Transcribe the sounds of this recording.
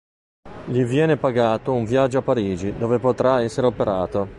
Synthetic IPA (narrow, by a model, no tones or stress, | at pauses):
ʎivjɛːnepaɡaːt̪ouɱvjad͡ʒːoapːaɾiːd͡ʒid̪oːvepot̪ɾaɛsːeɾeopeɾaːt̪o